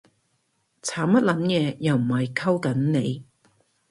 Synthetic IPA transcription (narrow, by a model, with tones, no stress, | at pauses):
t͡sʰaː˨˥mpɐ˥t̚lɐ˨˥njɛː˨˧jɐ˨wm̩˨˩hɐ˨jkʰɐ˥wkɐ˨˥nne˨˧j